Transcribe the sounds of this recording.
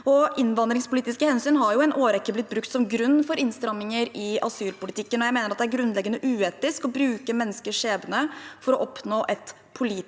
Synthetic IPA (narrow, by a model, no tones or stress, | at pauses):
ɔʔɪnʋɑnd̪ɾɪŋspʊliːt̪ɪskəhɛnsyːnɦɑɾjʊɛnʔoːɾɛkːəblɪt̪̚ːbɾʉkt̪sɔmɡɾʉnːfɔɾɪnst̪ɾɑmːɪŋəɾɪɑsyːlpʊlɪt̪ʰɪkːənɔjæɪmeːnəɾɑt̪d̪ɛæɾɡɾʉnlɛɡːənəʔʉːeːt̪ɪskɔbɾʉːkəmɛnːəskəʂeːbənəfɔɾɔʔɔpnoːʔɛt̪ | pʰʊliː